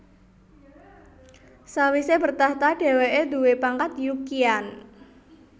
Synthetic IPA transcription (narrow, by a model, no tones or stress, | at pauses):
sawisebərt̪aht̪aɖ̥e̤weʔed̪uwepaŋkat̪jukian